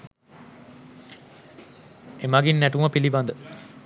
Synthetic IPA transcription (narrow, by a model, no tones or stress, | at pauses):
emaɡinːæʈumɐpiliband̪ə